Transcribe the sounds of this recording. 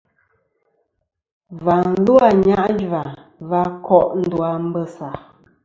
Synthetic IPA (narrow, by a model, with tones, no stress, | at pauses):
va˨n˦lu˦a˨ɲa˦ʔd͡ʒva˨va˦kʰɔ˦ʔn̩˦dwa˨m̩˦bə˦sa˨